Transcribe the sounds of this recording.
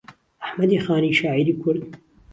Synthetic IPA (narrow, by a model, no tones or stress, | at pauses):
ʔaħmɐd̪iːxaːniːʃaːʕiːɾiːkʰʊɾd̪